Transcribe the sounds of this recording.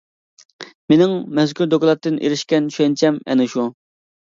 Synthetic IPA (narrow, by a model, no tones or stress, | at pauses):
menɪŋmɛzkʲyɾd̪oklˠɑt̪ːɨnʔḛɾɪʃkʲɛnʃɛnt͡ʃʰɛmɛ̰nɪʃu